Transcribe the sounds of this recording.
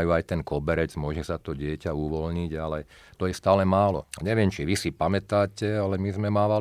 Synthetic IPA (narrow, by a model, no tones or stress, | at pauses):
juːajt̪ɛnkɔbɛɾɛd͡zmʊɔʒɛsat̪ɔɟɪɛcauʋɔlɲiɟalɛ | t̪ɔjɛst̪aːlɛmaːlɔ̰aɲɛʋɪjɛmt͡ʃiʋisipamɛt̪aːcɛalɛmizmɛmaːʋa